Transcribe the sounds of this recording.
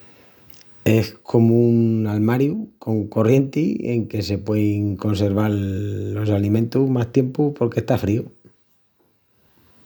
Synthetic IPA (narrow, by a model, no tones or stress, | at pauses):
e̞hkʰo̞mounalmaɾjuko̞ŋko̞rje̞nt̪iḛŋke̞se̞pwe̞iŋko̞nse̞ɾβ̞aɾːo̞salimẽ̞nt̪umast̪je̞mpupo̞ɾke̞st̪afɾiu